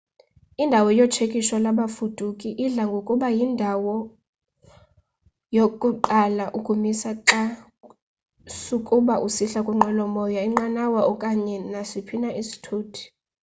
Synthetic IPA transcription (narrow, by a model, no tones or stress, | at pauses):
indʱawɔjɔt͡ʃʰekʼiʃɔlaɓafud̥ʱukʼiʔiɮaŋɡʱokʼuɓajindʱawɔ | jokʼuǃalaʔukʼumisaǃa | sukʼuɓaʔusiɬakʼuŋ͡ǃɛlɔmɔjaiŋ͡ǃanawaʔɔkʼaɲɛnasipʰinaʔisi̥tʰuːtʰi̥